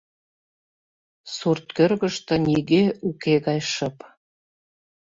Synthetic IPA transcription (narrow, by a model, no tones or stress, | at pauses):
surt̪̚kørɣə̆ʃt̪ɤ̆niɣeukeɣɑjʃɤ̆p